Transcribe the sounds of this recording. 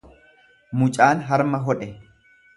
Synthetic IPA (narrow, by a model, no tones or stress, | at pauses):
mʊt͡ʃʼaːnɦɐɾmɐɦɔᶑɛ